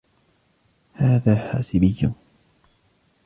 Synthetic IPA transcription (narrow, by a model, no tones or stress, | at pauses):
haːðaːħaːsɪbɪjːʊ